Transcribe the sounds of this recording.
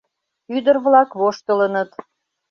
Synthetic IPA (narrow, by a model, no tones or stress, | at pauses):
yd̪ərβlɑkβoʃt̪ələnət̪